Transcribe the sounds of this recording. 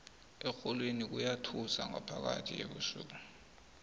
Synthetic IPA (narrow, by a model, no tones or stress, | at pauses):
ɛxɔlwinik̬ujatʰusaŋapʰak̬a̰tʰijḛɓusṵːk̬u